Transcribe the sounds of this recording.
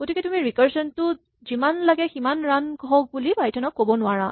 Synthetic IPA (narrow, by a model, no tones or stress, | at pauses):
ɡ̥otʰikɛtumiɹikaɹsɔntʊ | zimanlaɡɛximanɹanɡɔk̚bulibajtʰɔnɔkːobɔnʊaɹa